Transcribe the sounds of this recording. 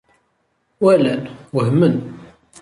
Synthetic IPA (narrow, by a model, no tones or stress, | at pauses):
wælænwəɦmən